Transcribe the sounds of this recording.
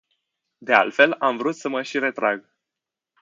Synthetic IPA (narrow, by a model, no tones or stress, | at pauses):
d̪e̞a̰lt̪fe̞lamvɾut̪səməʃiɾe̞t̪ɾaɡ